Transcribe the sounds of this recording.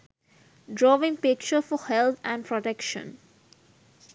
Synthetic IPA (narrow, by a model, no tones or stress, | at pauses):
ɖɾɔːʋɪ̃ŋpɪk̚t͡ʃəɾfɔhɛlt̪ʰæ̃ɳɖpɾɔʈekʃə̰̃n